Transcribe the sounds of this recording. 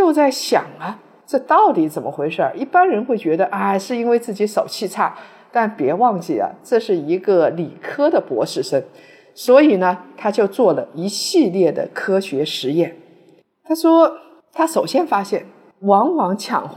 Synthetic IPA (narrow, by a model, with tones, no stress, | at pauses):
t͡ɕjo˥˧ʊt͡sa˥˩ɪɕjɑ̰˨˩˦ŋɐ˦ | ʈ͡ʂɤ˥˧t̪ɑ˥˩ʊt̪i˧˥t͡sə˨˩nmə˦xwe˧˥ɪʂə˞˥˧˩i˥˩pa˥nɻə˧˥nxwe˥˩ɪt͡ɕɥɛ˧˥d̪ə˧ʔa˥˩ʂɻ̩˥˩i˥nwe˥˧ɪt͡sɹ̩˥˩t͡ɕi˧˥ʂo˨˩ʊt͡ɕʰi˥˧t͡sʰa˥˩ | t̪a˥˩npjɛ˧˥wɑ˥˧ŋt͡ɕi˥˩ɐ̰˩ʈ͡ʂɤ˥˧ʂɻ̩˥˩i˧˥ɡə˧li˨˩kʰɤ˥d̪ə˨pwɔ̰˧˥ʂɻ̩˥˩ʂə˥ŋ | swɔ˧˥i˨˩nə˦t̪ʰa˥t͡ɕjo˥˧ʊt͡swɔ˥˩lə˩i˧˥ɕi˥˧ljɛ˥˩d̪ə̰˩kʰɤ˥ɕɥɛ˧˥ʂɻ̩˧˥jɛ˥˩n | t̪ʰa˥ʂwɔ˥ | t̪ʰa˥ʂo˨˩ʊɕjɛ˥nfa˥ɕjɛ˥˩n | wɑ˧˥ŋwɑ˧˥ŋt͡ɕʰjɑ̰˨˩ŋx